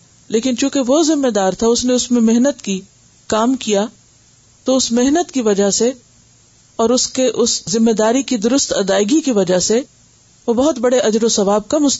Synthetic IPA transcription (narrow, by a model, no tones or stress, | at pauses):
leːkɪnt͡ʃũːkeʋozɪmːed̪aːɾt̪ʰaʊsneʊsmẽmɪɦnət̪ki | kaːmkija | t̪oʊsmɪɦnət̪kiʋɐd͡ʒase | ɔːɾʊskeʔʊszɪmːeːd̪aːɾikid̪ʊɾʊst̪ɐd̪aːɪɡikiʋɐd͡ʒase | ʋobɐɦʊt̪bɐɽeʔɐd͡ʒɾosɐʋaːb̚kɐmʊs